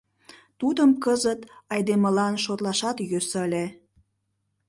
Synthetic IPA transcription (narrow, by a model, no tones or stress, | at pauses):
t̪ud̪əmkəzət̪ɑjd̪eməlɑnʃot̪lɑʃɑt̪jøsəlʲe